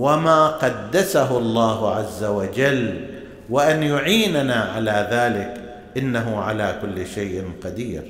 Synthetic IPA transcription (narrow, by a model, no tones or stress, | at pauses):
wamaːqɑd̪ːasaɦʊɑlˤːɑːhʊʕazːawad͡ʒal | wɪʔanjʊʕiːnanaʕalaːðaːlɪk | ʔɪnːaɦʊʕalaːkʊlːʃajʔɪnqɑd̪iːɾ